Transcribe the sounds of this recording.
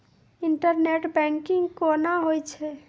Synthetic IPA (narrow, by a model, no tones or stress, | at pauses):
iɳʈəɾneʈbɛŋkiŋɡkonaɦojt͡ʃʰɛ